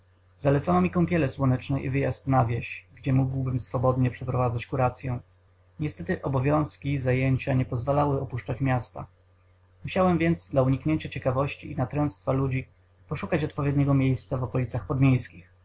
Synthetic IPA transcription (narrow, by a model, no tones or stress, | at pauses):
zalɛt̪sanɔmʲikɔ̃mpʲjɛlɛswɔnɛt͡ʂnɛʔḭvɘjast̪navʲjɛɕɡd͡ʑɛmuɡwbɘmsfɔbɔd̪ɲɛpʂɛpɾɔvad̪zat͡ɕkuɾat̪sʲjɛ | ɲɛst̪ɛt̪ɘʔɔbɔvʲjɔ̃w̃skʲizajeɲt͡ɕaɲɛpɔzvalawɘɔpuʂt͡ʂat͡ɕmʲjast̪a̰ | muɕawɛmvʲjɛnd̪zd̪lauɲikɲeɲt͡ɕat͡ɕɛkavɔɕt͡ɕiinat̪ɾɛ̃nt̪st̪falud͡ʑi | pɔʂukat͡ɕɔt̪̚pɔvʲjɛd̪ɲɛɡɔmʲjejst̪savɔkɔlʲit̪saxpɔd̪mʲjejskʲix